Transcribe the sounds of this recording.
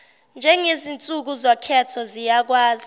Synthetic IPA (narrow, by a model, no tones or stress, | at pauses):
nd͡ʒʱɛŋezint͡sʼuk̬uzɔkʰɛtʰɔzijak̬waːzi